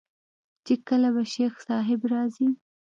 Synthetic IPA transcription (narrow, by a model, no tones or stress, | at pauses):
t͡ʃekəlabaʃexsɑɦɪbɾɑzi